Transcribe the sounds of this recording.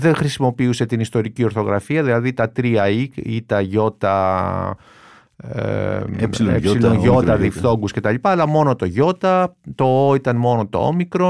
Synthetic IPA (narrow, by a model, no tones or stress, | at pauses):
ðe̞ŋxɾisimo̞piuse̞t̪inist̪o̞ɾicio̞ɾθo̞ɣɾɐ̰fiɐðilɐðit̪ɐt̪ɾiɐikit̪ɐʝo̞t̪ɐ | sepsilonʝo̞ɐðift̪o̞ŋɡusce̞t̪ɐlipɐːlɐmo̞no̞t̪o̞ʝo̞t̪ɐt̪o̞oit̪ɐnmo̞not̪o̞̰omikɾo̞